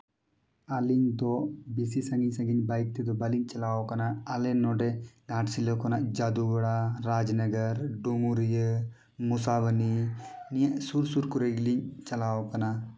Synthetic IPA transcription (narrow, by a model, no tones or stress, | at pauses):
aliɲd̪ɔbisisãŋɡiɲsaŋɡiɲbajk̚t̪ɛd̪ɔbaliɲt͡ʃalawɔkanaʔːlɛnɔɖɛnaʈsilɔkɔnaʔd͡ʒad̪ubaɽaːad͡ʒnəɡəɾɖuŋuɾijə | musaβəninijaʔsuɾsuɾkuɾeɡliɲt͡ʃalawɔkana